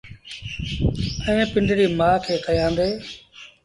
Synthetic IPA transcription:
əẽːpɪɳɖɾiːmaːkʰeːkəjãːnd̪eː

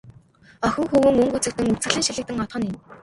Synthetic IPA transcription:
œxʲɪ̆ŋxuːwɘ̆ŋɵŋɡut͡sɘ̆k̚t̪ɘ̆ŋut͡sɘ̆ɮɘ̆ːŋʃiɮɘ̆kt̪ɘ̆ŋɔt̪χɞ̆nĭn

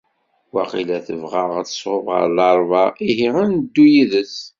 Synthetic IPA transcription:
wæqilæθəvʁɑʁat͡sə̥sˤovʁə̰ɾlɑɾˤvɑiɦiʁand̪ːujəðəs

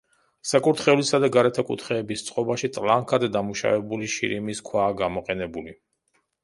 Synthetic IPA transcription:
sakʼuɾt̪ʰχɛulisad̪aɡaɾɛt̪ʰakʼṵt̪ʰχɛːbist̪sʼqʼɔbaʃit̪ʼlˠaŋkʰad̪ːamuʃa̰vɛbuliʃḭɾimiskʰwaːɡamɔqʼɛnɛbuli

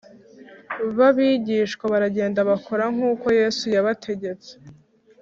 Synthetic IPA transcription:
βaβiɟiːʃkwaβaɾaɟe̞ːndaβakʰoɾaŋ̥uːko̞je̞sujaβatʰe̞ɟe̞t͡se̥

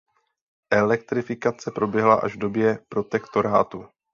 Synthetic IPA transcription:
ʔɛlɛkt̪ɾɪfɪkat͡sɛpɾo̞bjɛɦlaʔa̰ʒvdo̞bjɛpɾo̞t̪ɛkt̪o̞ɾaːt̪u

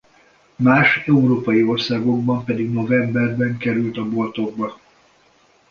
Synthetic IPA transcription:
maːʃɛuɾoːpɒjio̞rsaːɡo̞ɡ̚bɒmpɛd̪iɡno̞vɛmbɛrbɛŋkɛɾylt̪ɒbo̞lt̪o̞ɡ̚bɒ

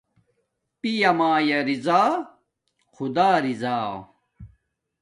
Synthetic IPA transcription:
pijɐmaːjɐɾizaː | xʰud̪aːɾizaː

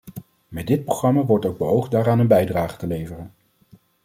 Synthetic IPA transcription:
mɛd̚dɪt̚proχrɑmaːʋɔɹtowɡ̚bəɦowχtdaːɾaːnənbɛjdraːχə̥təlejvərən

